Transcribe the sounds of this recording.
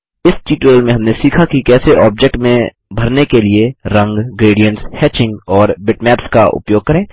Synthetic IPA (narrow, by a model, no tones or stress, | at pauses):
ɪsʈiːʈəlmẽɦɐ̃mnesiːkʰakikɛːseʔɔːb̚d͡ʒek̚ʈmẽ | bʱɐɾnekelieɾɐ̃ŋɡɡɾeːɖijə̃ɳʈshɛːt͡ʃɪ̃ŋɡɔːɾbɪʈmɛːpskaʔʊ̰pjoːɡ̚kɐɾẽː